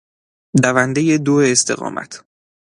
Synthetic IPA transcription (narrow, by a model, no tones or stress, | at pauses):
d̪ævænd̪ejed̪oeːst̪ʰe̞̰ɣɒ̰ːmʔæ̰t̪ʰ